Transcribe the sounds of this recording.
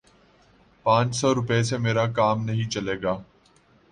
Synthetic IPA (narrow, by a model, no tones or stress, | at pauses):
pãːt͡ʃsɔːɾʊpes̬emeːɾakaːmnɐɦĩt͡ʃɐleːɡaː